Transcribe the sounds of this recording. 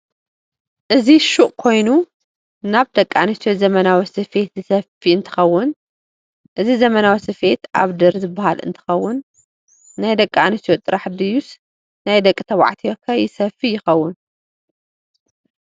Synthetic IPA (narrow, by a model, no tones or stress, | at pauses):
ʔɨziʃuʔʼkʰo̞jnu | naβd̪ɐkʼːa̰nit̪jozɐmɐnawisɨfe̞t̪zɨsɐfiɨnt̪ʰɨ̥xɐwːʊn | ʔɨzizɐmɐnawisɨfe̞t̪ʔa̰βd̪ɨɾzɨbːahalɨ̰nt̪ʰɨ̥xɐwːʊnː | ajd̪ɐkʼːa̰nit̪jot̪ʼɨɾaħd̪ɨjus | najd̪ɐkʼːit̪ʰɐwa̰ʕt̪ʰikʰɐjɪsɐfijɪxɐwːʊn